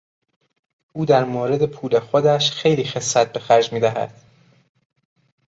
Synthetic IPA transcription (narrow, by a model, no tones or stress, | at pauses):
ʔuːd̪æɾmoːɾe̞d̪e̞pʰuːle̞xod̪æʃxe̞jliːxe̞sːæt̪̚be̞xæɾd͡ʒmiːd̪æɦæ̰d̪̥